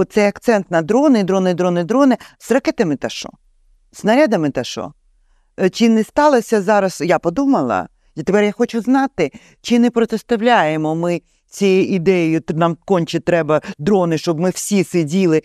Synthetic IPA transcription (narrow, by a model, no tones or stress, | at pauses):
ɔt̪t̪sɛjɐkt̪sɛnt̪nɐd̪ɾɔnɪd̪ɾɔnɪd̪ɾɔnɪd̪ɾɔnɪz̥rɐkɛt̪ɐmɪt̪ɐʃɔ̰ | znɐɾʲad̪ɐmɪt̪ɐʃɔ̰ | t͡ʃɪnɛst̪ɑlˠɐsʲɐzɑɾɐsjapɔd̪umɐlˠɐ̰ | t̪epɛrjaxɔt͡ʃʊznɑt̪ɪ | t͡ʃɪnɛpɾɔt̪ɛst̪ɐwlʲajemɔmɪ | t͡sʲijɛʔid̪ɛjjʊnɑmkɔnʲt͡ʃɪt̪ɾɛbɐd̪ɾɔnɪʃt͡ʃɔbmɪwsʲisɪdʲilˠɪ